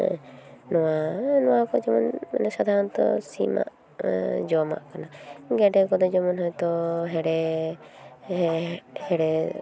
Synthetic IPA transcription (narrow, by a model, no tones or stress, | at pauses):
nɔwanɔwakɔd͡ʒɔmɔn̰nɛsad̪ʱaɾɔnt̪ɔ̰sima̰ʔ | d͡ʒɔma̰ʔkanaɡɛɖɛkɔd̪ɔd͡ʒɔmɔnɦɔjt̪ɔɦɛɽɛ | hɛɽɛ